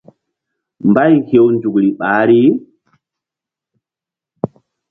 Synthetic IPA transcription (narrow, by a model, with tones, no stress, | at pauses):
mba˦jhe˦˨wnd͡ʒu˨kɾi˨ɓaː˨˦ɾi˦